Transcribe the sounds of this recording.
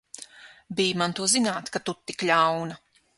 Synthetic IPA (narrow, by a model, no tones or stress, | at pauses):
biːjmant̪uɔzinaːt̪kat̪ut̪ːikʎʲawnɐ